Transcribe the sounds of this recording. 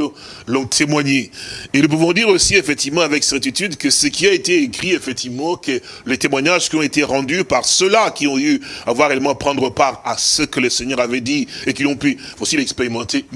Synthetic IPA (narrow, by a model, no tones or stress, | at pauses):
lɔ̃t̪ʰemwaɲeenup̬uvɔ̃d̪iʁosiefɛk̚t̪ivmɑ̃avɛksɛʁt̪it̪yd̪kəsəkʲiaet̪eekχiefɛk̚t̪ivmɑ̃kə | let̪emwaɲaʒkiɔ̃et̪eʁɑ̃d̪ypaʁsəlakʲiɔ̃yavwaʁeɛlmɑ̃pχɑ̃d̪ʁəpaʁasəkələsɛɲœʁavɛd̪iekilɔ̃pyfot̪ilɛkspeʁimɑ̃t̪e